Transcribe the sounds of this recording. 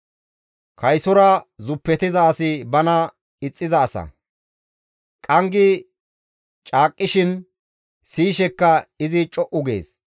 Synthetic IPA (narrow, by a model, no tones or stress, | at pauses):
kʰɐjsɔɾɐzʊpːɛt̪ɪzɐːsɪbɐnɐ | ɪt͡sʼːɪzɐːsɐ̰ | kʼɐŋɡɪ | t͡ʃʼaːkʼːɪʃɪn | siːʃɛkːɐɪzɪt͡ʃʼɔʔʊɡḛːs